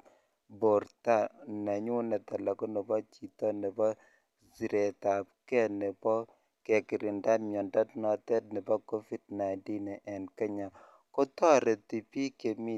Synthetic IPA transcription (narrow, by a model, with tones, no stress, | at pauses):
bo˨ɾta˦˨na˨ɲu˦nɛ˨ta˨la˨kɔ˦nɛ˨bɔ˦t͡ʃi˨tɔ˦nɛ˨bɔ˦ | zi˨ɾɛ˨ta˨p̚kɛ˦nɪ˨pɔ˦ | kɛ˨kɪ˨ɾɪ˨nda˦tmjɔ˨nda˦tnɔ˨tɛ˦t̚nɪ˨bɔ˦ko˦fi˦dna˨nti˦nɛ˨ʔɛ˨nkɛ˦ɲa˨ | kɔ˦tɔ˦ɾɛ˨ti˨pi˦ke˨mi˦